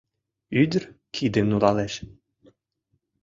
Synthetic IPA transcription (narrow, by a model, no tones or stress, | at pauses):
yd̪ʲrkʰid̪emnulɑlɛʃ